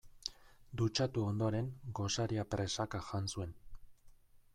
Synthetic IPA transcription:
d̪ut͡ʃat̪uo̞nd̪o̞ɾe̞ŋɡo̞saɾiapɾe̞sakaʝansue̞n

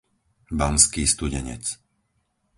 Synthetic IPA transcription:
bamskiːst̪uɟɛɲɛ̰t͡s

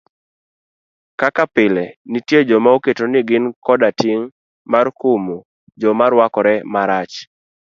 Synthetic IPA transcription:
kakapɪlɛnitjed͡ʒɔmaoketonɪɡɪnkɔdatiŋ | markʊmo | d͡ʒɔmaɾwakɔɾɛmaɾat͡ʃ

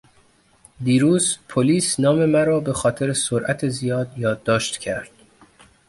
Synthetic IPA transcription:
d̪iːɾuːzpʰoliːsnɒːme̞mæɾɒːbe̞xɒːt̪ʰe̞ɾesoɾʔæt̪ʰezijɒːd̪jɒːd̪ːɒːʃt̪cʰæɾd̪̥

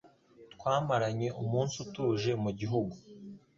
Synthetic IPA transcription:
tkwaːmaɾaɲe̞ʔumuːnsutuːʒe̞muɟiɦuɡu

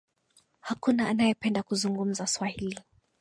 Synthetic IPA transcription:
hakunaːnajɛpɛndakuzuŋɡum̩zaswahili

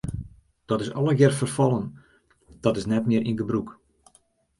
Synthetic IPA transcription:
d̥ɔtɪsɔ̰ləɡɪrfərfɔlˠən | d̥ɔtɪsnɛtmɪəɾʔinɡəbruk

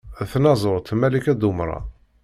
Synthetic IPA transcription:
θnɑzˤoɾˤt̪mælikæd̪umɾˤɑ̰

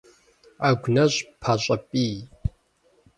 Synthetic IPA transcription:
aɡʷnɐɕʼpʰaɕʼɐpʼiː

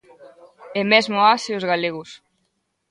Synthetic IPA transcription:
emɛzmoasewzɣaleɣus

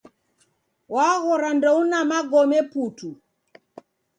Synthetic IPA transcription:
waɣɔɾandɔunamaɡɔmɛputu

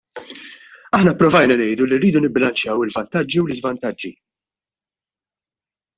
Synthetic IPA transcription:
ɐħnɐpːɾɔvɐjnɐnɛjd̪ulirːiːd̪unɪbːɪlɐnt͡ʃjɐwɪlvɐnt̪ɐd͡ʒːiwlɪzvɐnt̪ɐd͡ʒːi

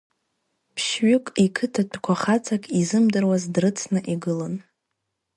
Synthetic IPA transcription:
pʰʃɥʊkʼikʰɨtʰatʰkʷʰaχat͡sʰakʼizɨmdɨrwazdrɨt͡sʰnɨʔiɡɨlan

